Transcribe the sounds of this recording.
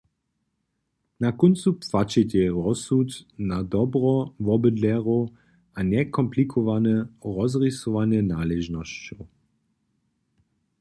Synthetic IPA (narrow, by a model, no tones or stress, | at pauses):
nakɔnt̪t͡supfat͡ʃɛtʲɛɾɔsut̪nad̪ɔbɾɔvɔbəd̪lɛʁo | ʔanɛkɔmplikʰɔvanɛʁɔzʁisɔvanɛnaːlɛʒnɔst͡ɕɔw